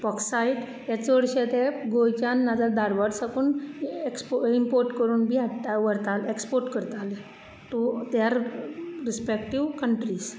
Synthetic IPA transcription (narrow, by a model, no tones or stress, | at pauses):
pɔksaiʈ | at͡sʋəɽɕet̪eɡojt͡ɕanːad͡zad̪ʱaɾʋaɽsakuːnekspimpoɾʈkəɾuːnbʱiaaʋəɾt̪alekspoɾʈkəɾt̪ale | ʈut̪jaɾɾispekʈiʋkəɳʈɾiːs